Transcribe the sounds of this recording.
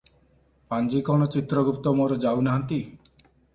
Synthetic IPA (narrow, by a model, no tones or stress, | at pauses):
pand͡ʒikɔɽ̃ɔt͡ʃit̪ɾɔɡupt̪ɔmoɾɔd͡ʒawnaɦant̪i